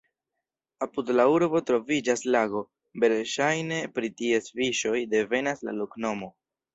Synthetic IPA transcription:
apudlauɾbo̞tɾo̞vid͡ʒaslaɡo̞ | be̞ɾʃajne̞pɾitie̞sfiʃo̞jde̞ve̞nasla̰lokno̞mo̞

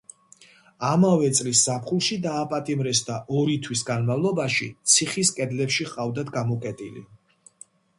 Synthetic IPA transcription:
amavɛt̪sʼlisːapχulˠʃid̪aːpʼat̪ʼimɾɛsd̪aʔɔɾit̪ʰwisɡanmavlˠɔbaʃit̪sʰiχiskʼɛd̪lɛpʃiqʼavd̪ad̪ɡamɔkʼɛt̪ʼilḭ

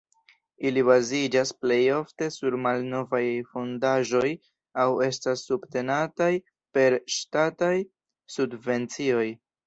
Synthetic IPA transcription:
ilibazid͡ʒasple̞jo̞fte̞suɾmalno̞vajfo̞ndaʒo̞j | awe̞stasːubte̞nataj | pe̞ɾʃtataj | subve̞nt͡sio̞j

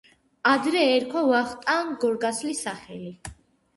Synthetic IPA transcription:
ad̪ɾɛːɾkʰwavaχt̪ʼaːnɡɔɾɡaslisaχɛli

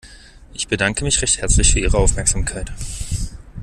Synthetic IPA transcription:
ʔɪçb̥ədaŋkəmɪçʁ̥ɛçthɛɐt͡slɪçfyːɐiːʁəaʊfmɛɐkz̥amkʰaɪt

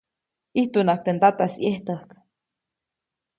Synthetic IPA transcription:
iht̪unak̚t̪ent̪at̪asieht̪əhk

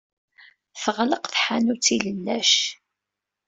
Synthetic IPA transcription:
θəʁləqθħanut͡sːiləlːæʃ

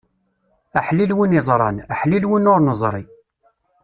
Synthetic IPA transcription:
əħlilwinizˤɾˤɑ̰naħlilwinʊɾnəzˤɾˤi

